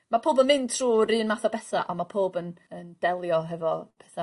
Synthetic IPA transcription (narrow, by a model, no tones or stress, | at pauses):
mapʰoːbənmɪntʰr̥uːɾiːnmaθɔbɛθaʔamapʰoːbənənd̥ɛlˠjɔɦɛvɔpʰɛθa